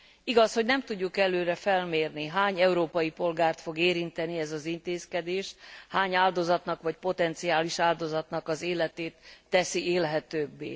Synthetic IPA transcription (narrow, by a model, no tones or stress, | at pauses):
iɡɒsho̞ɟnɛmt̪uɟːukɛløːɾɛfɛlmeːrniɦaːɲɛuɾoːpɒjipo̞lɡaːrt̪fo̞ɡeːɾint̪ɛniɛzɒzint̪eːskɛd̪eːʃhaːɲaːld̪o̞zɒt̪nɒkʋɒcpo̞t̪ɛnt̪siaːliʃaːld̪o̞zɒt̪nɒkɒzeːlɛt̪eːt̪ːɛsiʔeːlɦɛt̪øːbːḛː